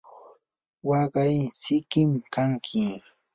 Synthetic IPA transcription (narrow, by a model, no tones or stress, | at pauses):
wɑɢajsɪkɪmkʰaŋkʰɪ